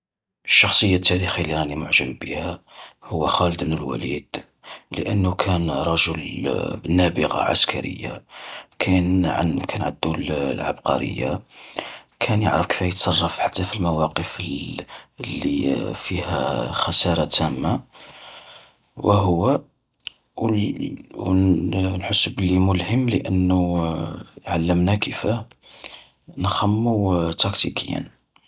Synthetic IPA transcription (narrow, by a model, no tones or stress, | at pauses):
ʔəʃːɑxsˤəjːat̪ʰːæɾixilːiɾˤɑnimʊʕʒəmbihæhʊwːæxɑləd̪mnəlwæ̰lid̪̥ | lə̰ʔənːʊkʰænɾˤɑʒəlbənːæbəɣɑ̰ʕa̰skæɾə̰jːakʰænʕkʰænʕa̰d̪ːullʕa̰bqɑ̰ɾə̰jːa̰ | kʰænjə̰ʕɾəfkə̥fæjət̪sˤɑrˤːɑfħḁt̪ːæfilmæwɑqəf | lːḭfihæ̰xɑsɑɾˤɑt̪æmːa | wəɦʊwːæ | wnħəsːbəlːimʊlhəmːləʔənːu | ʕalːəmnækʰəfæ | nxæmːut̪ɑkt̪ḭkʰəjːæ̰n